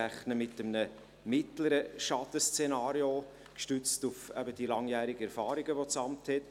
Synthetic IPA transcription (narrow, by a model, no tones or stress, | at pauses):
æχnəmɪtəmnə | mɪtləɾəʃɑtəst͡senɑːɾio | kʃtʉt͡stufɛbəd̥ilɑŋjæːɾɪɡ̥əɛɾfɑːɾiɡəʋot͡sɑmthɛt